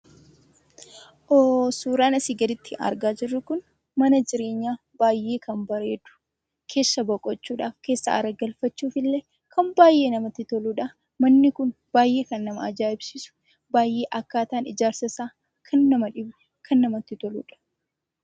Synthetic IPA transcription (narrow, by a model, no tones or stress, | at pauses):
ʔoːsuːɾaːnɐsɪɡɐlɪt̪ʰːɪʔɐ̰ɾɡaːd͡ʒɪrːʊkʊn | mɐnɐd͡ʒɪɾe̞ːɲːaː | b̥aːjʔe̞ːkʰɐmbɐɾe̞ːd̪ʊ̥ | kʰe̞ːsːɐbɔkʼɔt͡ʃːuːᶑaːfke̞ːsːɐ̰ɐ̰ɾɐɡɐlfɐt͡ʃːuːfɪlːeː | kɐmbaːjʔe̞ːnɐmɐt̪ːɪt̪ɔluᶑɐ | mɐnːɪkʊn | b̥aːjːe̞ːkɐnːɐmɐɐd͡ʒaːɪbsɪsʊ̥ | baːjʔe̞ːʔɐkːaːt̪aːnɪd͡ʒaːɾsɐsaː | kʰɐnːɐmɐᶑɪbɛ | kʰɐnːɐmɐt̪ːɪt̪ɔlṵːᶑɐ̥